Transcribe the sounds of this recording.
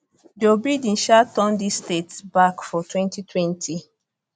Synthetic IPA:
dobɹidĩnʃatɔ̃ndistetsbakfɔtwɛ̃ntitʰwɛ̃ntʰi

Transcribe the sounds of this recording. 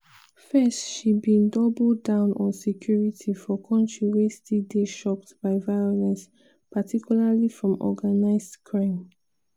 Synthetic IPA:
fɛstʃibĩndɔbl̩dãʊ̃nʔɔ̃nsɛkʰj̥uɹitʰifɔkʰɔ̃ntʰɹiwestideʃɔp̚tb̥aɪvaɪɔlɛ̃ns | patʰikʰjulalifɹɔ̃mɔ̰ɡanaɪzdkʰɹãɪ̃m

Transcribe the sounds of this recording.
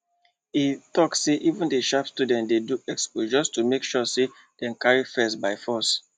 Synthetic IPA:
itɔksseʔivũndeʃapstudɛ̃ntdeduɛkspod͡ʒɔstumekʃɔse | d̥ɛ̃nkaɹifɛstbaɪfɔs

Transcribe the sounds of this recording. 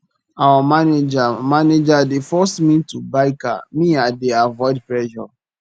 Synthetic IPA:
awamaned͡ʒamaned͡ʒadefɔsmĩtubaɪka̰mĩadeavɔɪdpɹɛʃɔ̰

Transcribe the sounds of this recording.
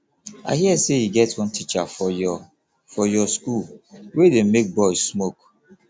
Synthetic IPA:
a̰ɪɦiɛsejiɡɛtwɔ̃ntit͡ʃa | fɔjɔskulwedemek̚bɔɪsmok

